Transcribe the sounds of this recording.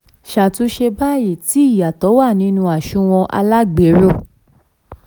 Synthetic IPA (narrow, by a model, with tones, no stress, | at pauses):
ʃa˨tũ˦ʃe˧ba˦˨ji˦˨ti˨˦i˦˨ja˨tɔ˨˦wa˦˨nĩ˦nũ˧a˨ʃũ˦˧w̃ɔ̃˧ʔa̰˧la˦ɡ͡be˨˦ɾo˦˨